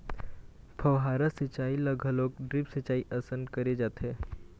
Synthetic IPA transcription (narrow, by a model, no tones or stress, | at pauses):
pʰɐʋɦaɾəsit͡ʃaːiləɡʱəlok̚ɖɾipsət͡ʃaːiʔəsə̃nd̪kəɾed͡ʒaːt̪ʰe